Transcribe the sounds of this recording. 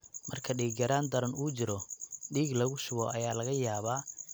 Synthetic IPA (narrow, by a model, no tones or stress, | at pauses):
mɐrkʰɐɖiːɡɐɾaːnd̪ɐɾɐnuːt͡ʃɪɾɔɖiːɡlɐɣʊʃʊβɔːʔɐjaːlɐɣɐjaːβaː